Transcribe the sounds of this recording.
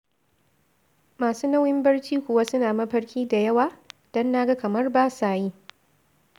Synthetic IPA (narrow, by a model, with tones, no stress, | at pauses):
maː˨suː˦na˦wjɪ˦mbɐ˦rt͡ʃiː˦kʷʊ˨wa˦sʊ˦naː˨mɐ˦ɸɐ˦ɽkʲiː˦da˨jɐ˦waː˨d̥ɔ˦nːaː˦ɡa˦kɐ˨mɐ˦rbaː˦saː˨ji˦